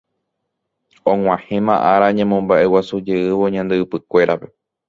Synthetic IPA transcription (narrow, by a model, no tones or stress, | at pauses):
õŋ̃ʷãhẽ̞mã̰ʔaɾaɲẽmõmbaʔe̞wasud͡ʒe̞ɨʋo̞ɲãnd̪e̞ɨpɨkʷe̞ɾʔape̞